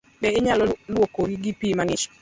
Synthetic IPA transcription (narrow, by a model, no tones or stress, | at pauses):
dɛɪɲalɔlwokoɾiɡipiːmaŋɪt͡ʃɔ̥